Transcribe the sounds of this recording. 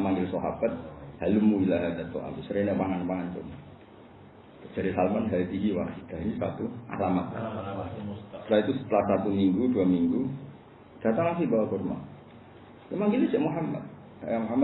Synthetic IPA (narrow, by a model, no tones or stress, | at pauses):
maŋɡɪlsɔɦa̰bat̪̚halumuilaɦad̪at̪o̰ʔa̰busəɾanaʔpaŋanpaŋant̪ʊ̰ma | t̪əd͡ʒ̥aɾisalmanɦait̪iɦiwa̰kiɡaɦɲsa̰t̪ua̰lamat̪̚ | t̪əɾait̪usə̥t̪əlahsat̪umiŋɡuduamiŋɡu | d̥at̪aŋlasibawakurma̰ | emaŋɡɪlid͡ʒaʔmuɦamːa̰t̪̚ | a̰jamuɦama